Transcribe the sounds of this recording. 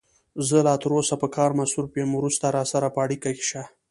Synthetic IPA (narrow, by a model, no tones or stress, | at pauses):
zəlɑːt̪əɾosapəkɑːɾmasuɾpjemwɾust̪aɾɑsaɾapəaɽikake̥ʃa